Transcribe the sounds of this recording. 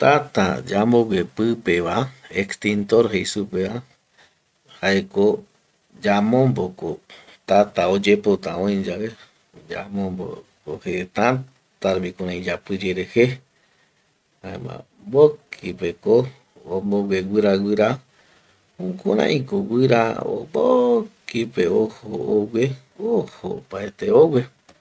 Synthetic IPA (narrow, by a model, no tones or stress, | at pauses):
t̪at̪a̰d͡ʒamboɡʷepɨpeβaekst̪int̪oɾɦejsupeβa | haeko | d͡ʒamõmboko | t̪at̪aod͡ʒepot̪ãõj̃d͡ʒaβe | d͡ʒa̰mõmbo̰kohet̪ã | t̪aɾβikõɾãĩd͡ʒapɨd͡ʒeɾehe | hãḛ̃mã̰ | bokʰipeko | omboɡweɡɨɾaɡɨɾa | ũkoɾã̰ʔĩkoɡʷɨɾa̰o̰bokipeohoowʷe | oho̰paet̪eowʷe